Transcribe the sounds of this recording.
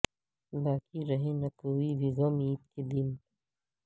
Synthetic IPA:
baːkiɾɐɦẽnɐkoːibiɣɐmiːt̪̚ked̪in

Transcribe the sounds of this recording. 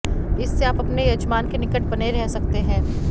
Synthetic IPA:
ɪsːeaːpɐpnejɐd͡ʒmaːnkenɪkəʈ̚bɐneɾɛɦsɐkt̪eɦɛ̃ː

